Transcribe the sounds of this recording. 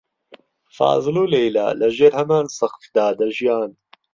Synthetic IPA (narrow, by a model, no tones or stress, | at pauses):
fa̰ːzˤɨloːlejla̰ːlɐʒeːɾhɐmaːnsɐxfd̪aːd̪ɐʒijaːn